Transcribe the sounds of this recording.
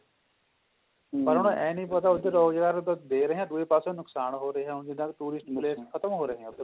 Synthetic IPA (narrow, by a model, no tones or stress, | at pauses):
pəɾɦʊnõːʔɛ̃ːnĩːpət̪aːʊd̪ːeːɾɔːɡd͡ʒɡaːɾd̪d̪eːɾəɦeɛ̃ːd̪uːeːpaːsõːnʊksaːɳɦoːɾəɦeːɦɛ̃ːɦʊnd͡ʒɪd̪ãːket̪uːɾɪsʈpleːskʰət̪əmɦoːɾəɦeɛ̃ːʊd̪e